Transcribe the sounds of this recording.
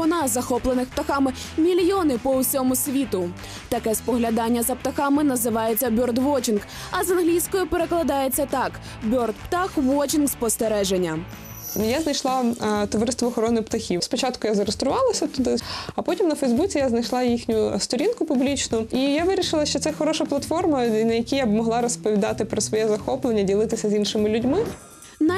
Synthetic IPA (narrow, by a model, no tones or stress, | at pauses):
ɔnɑzɐxɔplˠenɪxpt̪ɐxɑmɪ | mʲilʲjɔnɪpɔʊsʲɔmʊsʲʋʲit̪ʊ | t̪ɐkɛspɔɦlʲɐd̪ɑnʲːɐzɐpt̪ɐxɑmɪnɐzɪʋɑjet͡sʲːɐbʲɔrd̪ʋɔt͡ʃink | ɐzɐnɦlʲijsʲkɔjʊpeɾe̞klˠɐd̪ɑje̞t͡sʲːɐt̪ɑk | bʲɔrt̪pt̪ɑxʋɔt͡ʃʲinkspɔst̪eɾɛʒenʲːɐ | jaznɐjʃlˠɑt̪ɔʋɐɾɪst̪ʋɔːxɔɾɔnɪpt̪ɐxʲiwspɔt͡ʃɑt̪kʊjazɐɾest̪ɾʊʋɑlˠɐsʲɐt̪ʊd̪ɪɐpɔtʲimnɐfejzbut͡sʲijaznɐjʃlˠɑjixnʲʊst̪ɔɾʲinkʊpʊblʲit͡ʃnʊijaʋɪɾʲiʃɪlˠɐʃt͡ʃɔt̪sɛxɔɾɔʃɐplˠɐt̪fɔrmɐnɐjɐkʲijabmɔɦlˠɑɾɔspɔʋʲid̪ɑt̪ɪpɾɔsʋɔjɛzɐxɔplˠenʲːɐdʲilˠɪt̪ɪsʲɐzʲinʃɪmɪlʲʊdʲmɪ | n